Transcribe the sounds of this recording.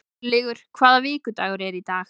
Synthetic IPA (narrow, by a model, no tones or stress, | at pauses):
lɪːɣʏɾ̥kʰvaːðaviːkʏt̪aɣʏɾɛɾit̪aːɣ